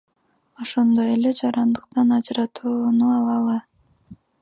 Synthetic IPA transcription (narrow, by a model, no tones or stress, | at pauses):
o̞ʃo̞nd̪o̞je̞le̞d͡ʒɑɾɑnd̪ɯqt̪ɑnɑd͡ʒɯɾɑt̪ʰuːnuɑlˠɑlˠɯ